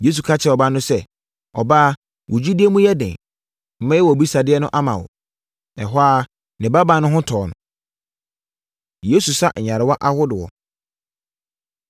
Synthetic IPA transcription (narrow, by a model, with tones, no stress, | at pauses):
je˦s̬u˨kʰa˦t͡ɕʰɪ˦˨ɔ˨ba˦nʊ̃˦sɛ˦ | ɔ˨ba˦ | wʔʊ˨d͡ʑu˦di˦e˦mũ˦jɛ˦dɪ̰̃˨ | m̩˦mɛ̃˦jɛ˦wɔ˨bi˦sa˨dɪ˦ɛ˦nʊ̃˦ʔa˦mã̰˨wɔ̰˨ | ɛ˨ɦɔ˦a˦ | nɪ̃˨ba˦ba˨˦nʊ̃˦ɦʊ̃˦tʰɔː˨nʊ̰̃˨ | je˨˦su˨sa˦ɲ̩˨ɲa˨ɾɪ˨wa˦ʔa˦hʊ˦dɪ˨wɔ̰˨